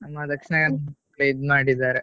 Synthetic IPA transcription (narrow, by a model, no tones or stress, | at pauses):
ɐmːad̪ɐkʂnepɽeːd̪maːɽid̪aːɾe